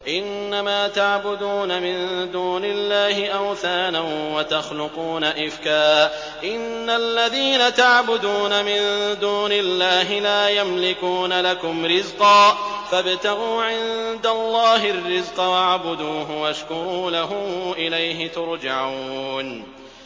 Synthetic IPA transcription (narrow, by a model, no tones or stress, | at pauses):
ʔɪnːamaːt̪aʕbʊd̪uːnamɪnd̪uːnɪlːaːɦɪʔawθaːnanwat̪axlʊquːnaʔɪfkaː | ʔɪnːalːaðiːnat̪aʕbʊd̪uːnamɪnd̪uːnɪlːaːɦɪlaːjamlɪkuːnalakʊmɾɪzqɑː | fabt̪aɣuːʕɪnd̪alˤːɑːɦɪrːɪzqɑwaʕbʊd̪uːɦʊwaʃkʊɾˤuːlaɦʊmʔɪlajɦɪt̪ʊɾˤd͡ʒaʕuuːn